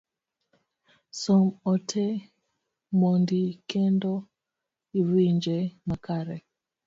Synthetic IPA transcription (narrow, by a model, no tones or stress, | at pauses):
sɔmɔtʰɛ | mɔndikɛndɔ | iwiɲd͡ʒɛmakaɾɛ